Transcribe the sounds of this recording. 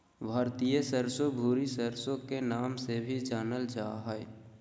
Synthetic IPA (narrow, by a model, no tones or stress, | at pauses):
bʱaːɾt̪ijəsəɾsobʱuːɾisəɾsõkenaːmsebʱid͡ʒaːnəld͡ʒaːɦɛe